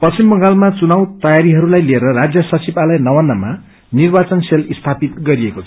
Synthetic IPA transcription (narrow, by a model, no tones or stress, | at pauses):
pʌt͡simbʌŋɡalmat͡sunawt̪ʌjaɾiɦʌɾulajlieɾʌrad͡zjʌsʌt͡sibalʌjnʌwanːʌma | nirbat͡sʌnselist̪ʰapit̪̚ɡʌɾiekot͡sʰ